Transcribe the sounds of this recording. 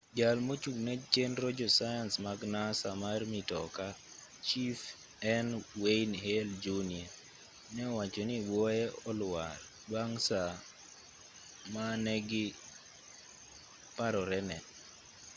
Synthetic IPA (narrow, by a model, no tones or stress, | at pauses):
d͡ʒalmot͡ʃuɡnɛt͡ʃenɾɔd͡ʒɔsajansmaɡnasamarmitɔka | t͡ʃif | ɛnweinheld͡ʒunia | nɛɔwat͡ʃɔniwɔjɛɔlwaɾ | baŋsa | manɛɡɪ | paɾɔɾɛnɛ